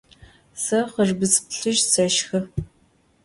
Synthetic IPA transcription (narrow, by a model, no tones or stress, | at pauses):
sɐqərbɨspɬɨʒsɐʃxɐ